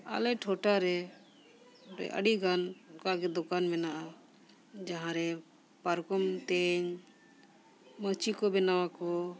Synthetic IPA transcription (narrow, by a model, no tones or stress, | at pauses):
a̰lɛʈʰɔʈaɾɛ | ɾɛ̰ʔə̰ɖiɡankaɡɛd̪ɔkanmɛnaʔa | d͡ʒãɦãɾɛ | paɾkɔmt̪ɛɲ | mət͡ʃikɔbɛnawakɔ